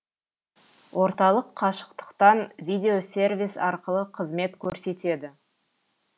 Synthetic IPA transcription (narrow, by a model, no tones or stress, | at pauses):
wʔo̞ɾt̪ɑlˠəqʰːɑʃə̥q̚t̪ə̥qt̪ɑnvʲijd̪ʲe̞o̞sʲe̞rvʲijsɑɾqəlˠəqʰəzme̞t̪kʲʰɵɾse̞t̪e̞d̪ɪ